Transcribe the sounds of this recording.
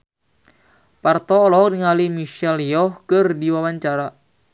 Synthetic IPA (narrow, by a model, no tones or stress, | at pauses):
part̪ɔːlɔk̚niŋalimiʃɛlijɔhkərdiwawaɲt͡ʃaɾa